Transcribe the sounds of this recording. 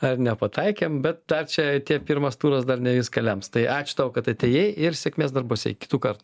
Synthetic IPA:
ɐrnʲɛpɐt̪ɐɪkʲeːmbʲɛt̪̚d̪ɐrt͡ʃʲɛt̪ʲiɛpʲiɾmɐst̪uːɾɐsd̪ɐrnʲɛʋʲɪskɐlʲɛmst̪ɐɪʔɑːt͡ʃʲʊ̥t̪ɐʊkɐt̪ɐt̪ʲeːjejɪɾsʲɛkʲmʲeːs̬d̪ɐrbʊsʲɛ̰ɪkʲɪ̥t̪uːkɐrt̪u

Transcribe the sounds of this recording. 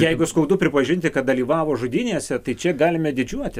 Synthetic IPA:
jɛɪɡʊskɐʊd̪ʊpʲɾʲɪpɐʒʲɪnʲt̪ʲɪkɐt̪̚d̪ɐlʲiːʋɑːʋoːʒʊd̪ʲinʲeːsʲɛt̪ɐɪt͡ʃʲɛɡɑːlʲɪmʲɛd̪ʲɪd͡ʒʲuɔt̪ʲɪ

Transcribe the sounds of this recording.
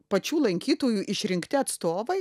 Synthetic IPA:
pɐt͡ʃʲuːlˠɐŋʲkʲiːt̪oːjuːʔɪʃʲɾʲɪŋkt̪ʲɪɐt̪st̪oːʋɐɪ

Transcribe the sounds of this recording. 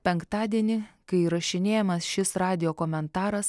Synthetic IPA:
pʲɛŋkt̪ɑːd̪ʲiɛnʲɪkɐɪɾɐʃʲɪnʲeːjɛmɐsʃʲɪsɾɑːd̪ʲɪjoːkoːmʲɛnt̪ɑːɾɐs

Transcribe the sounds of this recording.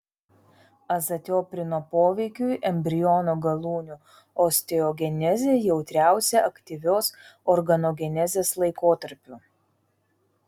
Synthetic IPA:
ɐzɐt̪ʲoːpʲɾʲɪnoːpoːʋʲɛɪkʲuɪʔɛmʲbʲɾʲɪjɔnoɡɐlˠuːnʲʊ | ɔsʲt̪ʲɛoːɡʲɛnʲɛzʲeːjɛʊt̪ʲɾʲæˑʊsʲeʔɐkt̪ʲiʋʲoːsɔɾɡɐnoːɡʲɛnʲɛzʲeːslˠɐɪkoːt̪ɐɾʲpʲuː

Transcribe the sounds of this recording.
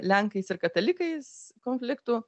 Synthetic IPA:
lʲɛŋkɐɪsɪɾkɐt̪ɐlʲɪkɐɪskoːnʲfʲlʲɪkt̪uː

